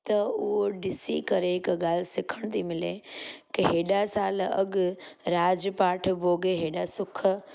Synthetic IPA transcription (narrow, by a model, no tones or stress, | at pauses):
t̪ɐʊɦoɖɪsikɐɾeɪkɡaːlsɪkʰəɽ̃t̪ʰimɪlekɪɦeːɗasaːlɐ̰ɠɾaːd͡ʒpaːʈʰboːɡeɦeːɗasʊkʰ